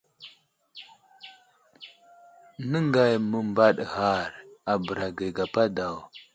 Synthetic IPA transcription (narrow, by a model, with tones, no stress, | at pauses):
nə˦ŋɡa˨jmə˨mba˦ɗɣa˨ɾa˨bə˨ɾa˨ɡə˨ɡa˨pa˦da˨w